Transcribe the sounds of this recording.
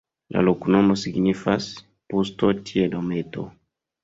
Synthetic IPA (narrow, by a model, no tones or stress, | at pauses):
la̰lokunomosiɡnifas | pust̪otʰiedomet̪o̰